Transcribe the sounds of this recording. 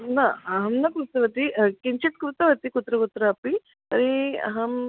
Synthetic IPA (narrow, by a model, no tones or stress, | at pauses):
nɐɐɦɐmnɐkɾust̪ɐʋɐt̪ikiɲt͡ʃit̪̚kɾut̪ɐʋɐt̪ikut̪ɾɐkut̪ɾɐɐpi | t̪ɐɾiɐ̰ɦɐm